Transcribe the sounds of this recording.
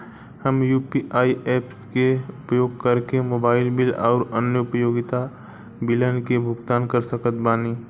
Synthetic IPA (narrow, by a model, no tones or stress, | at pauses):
həmjuːpiʔaːieːpskeʊpjoːɡ̚kɐɾkemoːbaːɪlbɪlɔːɾənjəʊpəjoːɡɪt̪a | bɪlənkebʱʊɡt̪aːnkəɾsəkət̪baːniː